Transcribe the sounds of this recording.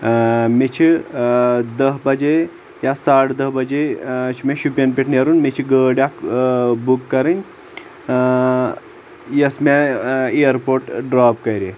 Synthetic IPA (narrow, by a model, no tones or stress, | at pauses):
met͡ʃʰi | d̪əɦbɐd͡ʒe | jasaːʈʰd̪ɐɦbɐd͡ʒet͡ʃʰimẽʃupʲɐnpʲeʈʰnʲeɾunmet͡ʃʰiɡəːɽjakbukːɐɾɨnʲ | jɐsmeeəɾpoːɾʈɖɾaːp̚kɐɾʲe